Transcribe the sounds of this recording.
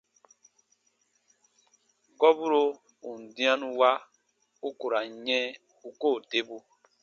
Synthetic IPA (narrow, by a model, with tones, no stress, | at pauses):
kɔ˦bu˦ɾo˦ | u˨n̩˨dĩ˦ã˦nũ˦wa˦ | u˦ku˨ɾa˨ɲɛ̃˦ | u˦ko˦˨te˦bu˦